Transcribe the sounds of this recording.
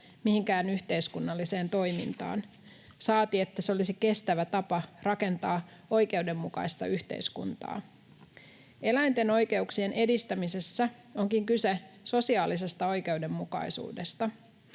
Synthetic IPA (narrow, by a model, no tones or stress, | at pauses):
mihiŋkæːnyçt̪e̞iskunːɑlːise̞ːnt̪o̞jmḭnt̪ɑ̰ːn | sɑːt̪ie̞t̪ːæseolisike̞st̪æʋæt̪ɑpɑrɑke̞nt̪ɑːo̞jke̞wde̞mːukɑ̰ist̪ɑ̰yçt̪ḛiskṵnt̪ɑ̰ː | e̞læjnt̪e̞no̞jke̞uksie̞nʔe̞dist̪æmise̞sːæ | o̞ŋkiŋkyseso̞siɑːlis̬e̞st̪ɑo̞jke̞ude̞mːukɑ̰jsṵːdest̪ɑ